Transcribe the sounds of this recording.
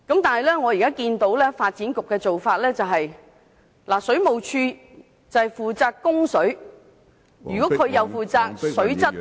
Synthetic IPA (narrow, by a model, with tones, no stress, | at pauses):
kɐ˨˥mt̪aː˨nhɐ˨jlɛː˥ŋɔː˨˧jiː˨˩kaː˥kiː˧nt̪o˨˥wlɛː˥faː˧t̚t͡siː˨˥nkʊ˨kːɛː˧t͡so˨wfaː˧t̚lɛː˥t͡sɐ˨wɦɐ˨j | laː˨˩sɵ˨˥ɥmo˨wt͡ʃʰyː˧ | t͡sɐ˨whɐ˨˩jfuː˨t͡saː˧kkːʊ˥ŋsɵ˨˥ɥ | yː˨kɔː˨˥kʰɵ˨˧ɥjɐ˨˧wfuː˨t͡saː˧k̚sɵ˨˥ɥt͡sɐ˥t̚